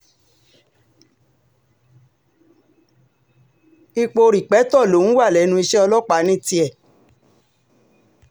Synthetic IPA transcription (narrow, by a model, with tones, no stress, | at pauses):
i˧k͡po˧ɾi˨k͡pɛ˨˦tɔ˦˨lo˨˦ñ̩˦wa˦˨lɛ˨˦nũ˧i˧ʃɛ˦ɔ˧lɔ˦k͡pa˨˦nĩ˦ti˧ɛ˦˨